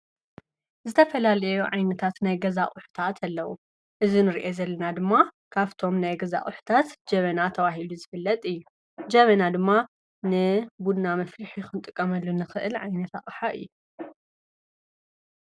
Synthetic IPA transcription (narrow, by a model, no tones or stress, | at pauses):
zɨt̪ʰɐfɐlalɐjjuʕajnɐt̪ʰat̪najɡɐzaʔʼʊħu̥t̪ʰat̪ʰɐlːɐwṵ | ʔɨzinɨɾiʔezɐlːɐnad̪ɨmːa | kʰaβt̪ʰo̞mnajɡɐza̰ʔʼʊħu̥t̪ʰat̪d͡ʒɐβɐnat̪ʰɐβaɦiluzɨfɨlːɐt̪ʼɨjːu | d͡ʒɐβɐnad̪ɨmːa | nɨbud̪namɐfliħixɨnt̪ʼɨkʼːɐmɐlːunɨxɨʔɨlʕajnɐt̪ʰa̰χʼħaʔɨ̰jːu